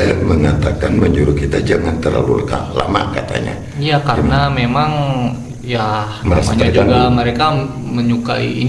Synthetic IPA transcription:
aməŋat̪akanməɲd͡ʒuɾʊkit̪ad͡ʒaŋant̪ərla̰lulka̰la̰ma̰kat̪a̰ɲa̰ | jakaɾənamemaŋ | ja | mnaɾasma̰ɲad͡ʒuɡaməɾeka | məɲuka̰ḭin

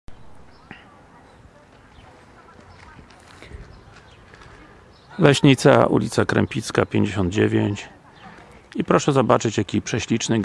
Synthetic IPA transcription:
lɛɕɲijt̪sa̰ʔṵlʲit̪sakɾɛ̰mpʲit̪skapʲjeɲd͡ʑeɕɔnd̪̚d͡ʑevʲjeɲt͡ɕ | ipɾɔʂɛzɔbat͡ʂɘt͡ɕjakʲipʂɛɕlʲit͡ʂnɘɡ

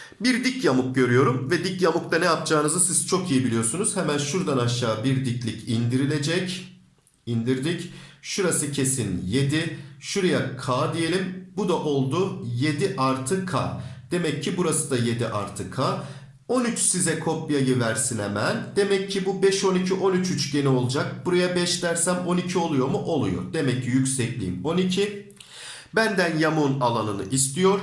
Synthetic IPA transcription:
biɾd̪icjamuk̚ɟø̞ɾyjo̞ɾumvɛd̪icjamuk̚t̪anɛjap̚d͡ʒaːɯnɯzɯsiz̥t͡ʃʰo̞kijibilʲijo̞ɾsunuz̥hɛmænʃuɾd̪anaʃːaːbiɾd̪iclʲicind̪iɾilʲe̞d͡ʒɛc | ind̪iɾd̪icʃuɾasɯcʰe̞sinje̞d̪iʃuɾajakʰaːd̪ije̞lʲimbud̪aʔo̞lˠd̪uje̞d̪iʔaɾt̪ʰɯkʰa̰d̪̥e̞mɛcʰːibuɾasɯd̪aje̞d̪iʔa̰ɾt̪ʰɯkʰaː | o̞nyt͡ʃsizɛkʰo̞pjajivæɾsinɛmæld̪̥e̞mɛcʰːibubɛʃo̞nicʰiʔo̞nyt͡ʃʰyt͡ʃɟe̞nio̞lˠud͡ʒak̚buɾajabɛʃlʲæɾsæmo̞nicʰio̞lˠujo̞ɾmuʔo̞lˠujo̞̰ɾd̪e̞mɛcʰːijycʲsɛclʲḭːmo̞nicʰi | bænd̪ænjamunalˠanɯnɯ̰ʔist̪ʰijo̞ɾ̥

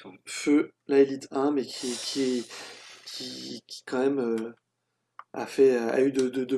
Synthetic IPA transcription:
følaelit̪ʰɛ̃mekʲʰikʲʰiɛ | kʲʰikʲi̥kɑ̃mɛmø | a̰fɛøa̰yd̪əd̪əd̪ə

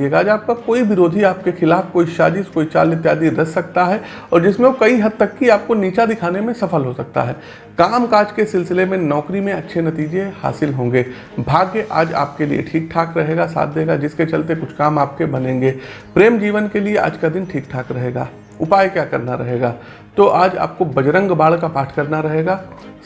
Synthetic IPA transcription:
eːɡaːd͡ʒaːp̚kakoːiʋɪɾoːd̪ʱiaːp̚kexɪlaːfkoːiʃa̰ːd͡ʒɪskoːit͡ʃa̰ːlɪt̪jaːd̪iɾɐsːɐkt̪aɦɛ | ɔːɾd͡ʒɪsmẽokɐiɦɐd̪̚t̪ɐkːiaːp̚koniːt͡ʃad̪ɪkʰaːnemẽsɐfəlɦosɐk̚t̪a̰ɦɛː | kaːmkaːd͡ʒkesɪlsɪlemẽnɔːkɾimẽɐtːʃʰenɐt̪iːd͡ʒeha̰ːsɪlɦõːŋɡeː | bʱaːɡjʔa̰ːd͡ʒa̰ːp̚kelḭḛʈʰiːk̚ʈʰaːkɾɐɦeːɡasa̰ːt̪̚ʰd̪eːɡad͡ʒɪsket͡ʃɐlt̪ekʊt͡ʃʰkaːmaːp̚kebɐnẽːŋɡeːpɾeːmd͡ʒiːʋənkelieʔa̰ːd͡ʒkad̪ɪnʈʰiːkʈʰaːkɾɐɦeːɡa̰ː | ʊpaːjkjaːkɐɾnaɾɐ̰ɦeːɡaː | t̪oʔaːd͡ʒa̰ːp̚kobɐd͡ʒɾə̃ŋɡbaːɭkapaːʈʰkɐɾnaɾɐɦeːɡaː

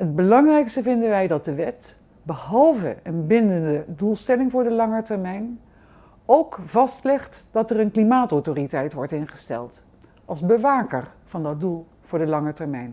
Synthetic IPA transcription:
ɦəd̚bəlɑŋrɛjkstəvɪndənʋɛjdɑt̚dəʋɛt | bəhɑlˠvə̰ənbɪndəndədulˠstɛlɪŋvʊːɹdəlɑŋəɹtɛɹmɛjn | owkv̥ɑstlɪχtd̥ɑtərənklimaːtowtoːritɛjtʋɔɹtɪnχə̥stɛ̰lˠt | ʔɑlˠzbəʋaːkər | v̥ɑndɑt̚dulˠ | v̥ʊːɹdəlɑŋətɛɹmɛjn

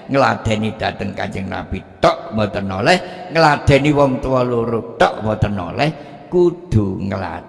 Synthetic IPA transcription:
ŋəla̰d̪̥ɛ̤nid̪̥ä̤t̪əŋka̰ɲd͡ʒəŋna̰b̥it̪ɔʔmɔt̪ənɔlɛhŋəlad̪̥ɛniwɔmt̪əwɔloɾut̪ɔʔmɔt̪ənɔ̰lɛh | kud̪̥uŋəla̰

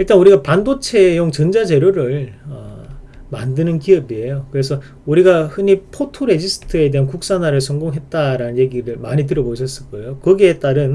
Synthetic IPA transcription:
iɭt͈anuɾiɡapandot͡ɕʰe̞joŋt͡ɕʌnd͡ʑad͡ʑe̞ɾjoɾɯɭʌ | ma̰ndɯnɯnkiʌbie̞jokɯɾe̞sʰʌ | uɾiɡahɯnipʰotʰuɾe̞d͡ʑisʰɯ̥tʰɯe̞de̞ɦankuk̚s͈anaɾɯɭsʰʌŋɡoŋɦe̞t̚t͈aɾanɯnje̞ɡiɾɯɭmaɲit̬ɯɾʌboɕʰʌs͈ɯɭk͈ʌjokʌɡie̞t͈aɾɯn

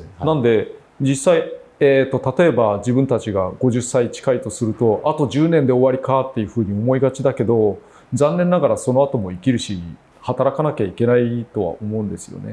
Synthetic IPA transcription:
nãnd̪e̞ | d͡ʑisaieːt̪ːo̞t̪at̪o̞e̞bad͡ʑibɯ̟̃nt̪at͡ɕiɡaɡ̥o̞ʑɨsːait͡ɕi̥kait̪o̞sɨɾɯ̟t̪o̞ʔat̪o̞ʑɨːnẽ̞nd̪e̞o̞βaɾʲikat̪ːe̞jɯ̟ɸɯ̟ːɲ̟io̞mo̞iɡat͡ɕid̪ake̞d̪o̞ | d͡zãnːẽ̞nːaɡaɾaso̞no̞at̪o̞mo̞ikʲiɾɯ̟ɕi | hat̪aɾakanakʲaike̞nait̪o̞βa̰o̞mo̞ɯ̟̃nd̪e̞sɨ̥jo̞̰ne̞̰

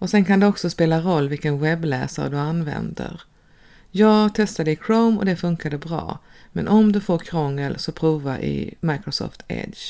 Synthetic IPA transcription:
ɔsɛnkand̪ɛɔksɔspeːlaɾɔlːvɪlkənwɛblɛːsa̰ɾd̪ɵanvɛ̰nd̪ə̰ɾ | jɑːɡt̪ʰɛst̪ad̪əɪkʰɾoʊmɔ̰d̪ɛfɵŋkad̪əbɾɑ̰ːmɛ̰nʔɔmd̪ɵfoːɾkʰɾɔŋːəlsɔpʰɾuːvaʔɪ̰majkɾʊsɔ̰ːft̪ʰɛ̰d̪

